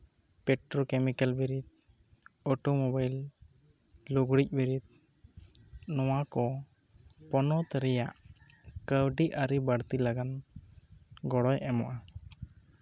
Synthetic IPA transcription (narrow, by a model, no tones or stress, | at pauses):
pɛʈɾɔkɛmikalbiɾit̪̚ | ɔʈumɔbajl | uɡɽic̚biɾit̪̚ | nɔwakɔ | pɔnɔt̪ɾɛjaʔ | kəwɖiʔaɾibaɽt̪ilaɡan | ɡɔɽɔjʔɛmɔʔa